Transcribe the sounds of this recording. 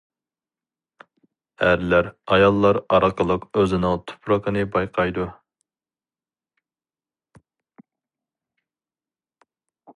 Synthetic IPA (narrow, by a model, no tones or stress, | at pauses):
æɾlæɾɑjɑlˠːɑɾɑɾqʰəlˠəqøzɪnɪŋt̪ʰu̥pʰɾəqənɨbɑjqʰɑjd̪u